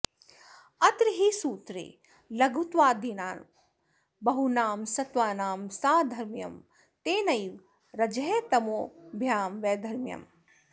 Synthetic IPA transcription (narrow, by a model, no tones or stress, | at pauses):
ɐt̪ɾiɦisuːt̪ɾḛː | lɐɡʱut̪ʋaːd̪ʱinaːn | bɐɦunaːmsɐt̪ʋaːnaːmsaːd̪ʱɐɾmjɐ̰m | t̪eːnɐjʋ | ɾɐd͡ʒɐɦet̪ɐmoːbʱjaːmʋeːd̪ʱɐɾmjɐ̰m